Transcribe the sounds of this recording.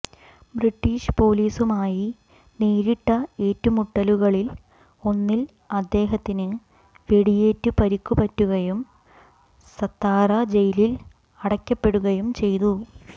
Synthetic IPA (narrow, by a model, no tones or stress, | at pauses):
briʈːiːʂpo̞ːliːsumaːji | neːɾiʈːɐe̞ːtːumuʈːɐluɣɐɭil | o̞nːil | ɐd̪ːe̞ːɦɐt̪ːinɨ | ʋe̞ɽije̞ːtːɨpɐɾikːupɐtːuɣɐjum | sɐt̪ːaːrɐd͡ʑe̞jlil | ɐɽɐkʲːɐpːe̞ɽuɣɐjumt͡ɕe̞jt̪u